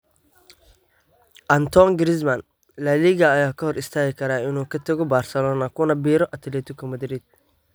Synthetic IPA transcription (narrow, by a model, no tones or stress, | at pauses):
ʔɐnt̪ʰɔŋɡɾɪs̬mɐn | lɐliːɣɐːjaːkʰɐhɔɾɪst̪ʰaːɣɪkʰɐɾaːɪnuːkʰɐt̪ʰɐɣɔbaːrsɛlɔːnɐkʰʊnɐbiːɾɔʔɐt̪ʰlɛːt̪ʰʊkʰɐmɐd̪ɾid̪̥̚